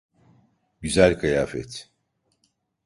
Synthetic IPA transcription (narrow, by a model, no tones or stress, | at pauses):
ɟyzælʲkʰajaːfɛ̰t̪ʰ